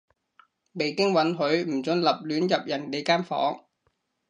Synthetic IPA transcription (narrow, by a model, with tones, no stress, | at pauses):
me˨jkɪ˥ŋwɐ˨˥nɦɵ˨˥ɥm̩˨˩t͡sɵ˨˧nlɐ˨p̚lyː˨˥njɐ˨p̚jɐ˨˩nle˨˧jkaː˥mfɔ̰ː˨˥ŋ